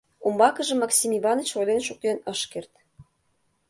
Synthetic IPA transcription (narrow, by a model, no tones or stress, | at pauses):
umbɑkɤ̆ʒɤ̆mɑksʲimiβɑnə̆t͡ɕojlenʃuk̚t̪enɤ̆ʃkert̪